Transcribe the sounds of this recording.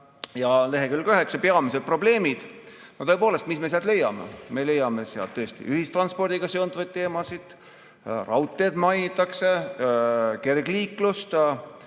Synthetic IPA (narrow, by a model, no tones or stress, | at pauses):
jɑle̞ɦekylkɑyɦe̞ksɑpeɑmis̬ed̪̚pro̞ble̞ːmid̪̥not̪ɤe̞po̞ːle̞st̪misme̞seɑlt̪le̞jːɑ̰me̞̰me̞le̞jɑme̞seɑ̰lt̪ːɤest̪ḭʔyhist̪rɑnspo̞rd̪̥iɡ̥ɑseod̪uvɑjd̪̚t̪ːe̞ːmɑsid̪̥ | rɑwt̪ːˑe̞d̪mɑjnit̪ːˑɑkse̞ | ke̞rɡliːklust̪